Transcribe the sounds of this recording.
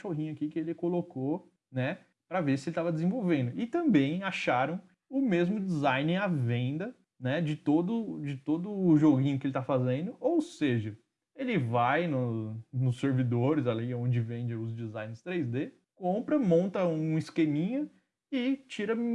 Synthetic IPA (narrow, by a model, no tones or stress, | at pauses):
ʃoɦĩɲʊakikɪelɪkoloko | nɛ | pɾɐveɾsɪelɪt̪avɐd̪ɪzẽvowvẽnd̪ʊɪt̪ɐ̃mbẽj̃aʃaɾɐ̃w̃ | ʊmezmʊd͡ʒɪzajnɪavẽnd̪ɐ | nɛd͡ʒɪt̪od̪ʊd͡ʒɪt̪od̪ʊːʒoɡĩɲʊkɪelɪt̪afazẽnd̪ʊʔowseʒɐ | elɪvajnʊnʊsːeɾvid̪oɾɪzaliõd͡ʒɪvẽd͡ʒɪeʊzd͡ʒizaj̃nɪɾst̪ɾejzd̪e | kõmpɾɐmõnt̪ɐũɪskemĩɲɐ | ɪt͡ʃiɾɐ